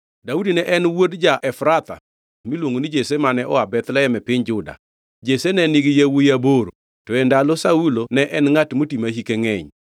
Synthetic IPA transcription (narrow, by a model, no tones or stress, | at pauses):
daudinɛʔɛnwodd͡ʒaʔɛfɾat̪a̰ | milwoŋonid͡ʒesemanɛʔɔ̰abɛt̪lɛɛmɛpɪɲd͡ʒʊda̰ | d͡ʒesenɛnɪɡɪjawujaboɾo̰ | tɔɛndalɔsaulonɛʔɛnŋatmotimahikeŋɛɲ